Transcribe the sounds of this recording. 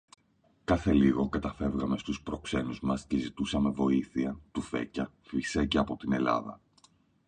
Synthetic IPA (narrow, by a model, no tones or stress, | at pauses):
kɐθe̞liɣo̞kɐt̪ɐfe̞vɣɐme̞st̪uspɾo̞kse̞nuzmɐsce̞zit̪usɐme̞vo̞iθiɐt̪ufe̞̰cɐ | fiseceɐpo̞t̪ine̞lɐ̰ðɐ̰